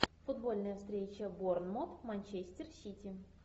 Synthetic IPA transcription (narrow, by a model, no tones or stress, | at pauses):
fʊd̪bo̞lʲnəjəfst̪ɾʲet͡ɕəbornmot̪manʲt͡ɕesʲtʲɪrsʲitʲɪ